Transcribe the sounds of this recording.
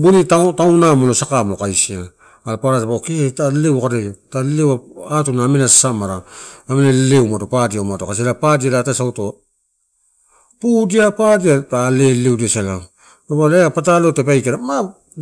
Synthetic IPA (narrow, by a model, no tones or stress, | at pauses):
bunitatawnamolosakamokajsia | alapaɾatabaketalewkaɾetalewaatunaːmenasamaɾaːmenalewmatopadiawmatokas̬elapadialatasawto | pudiapadiatalelewdiasala | tabaleapatalo̞tepajkeɾama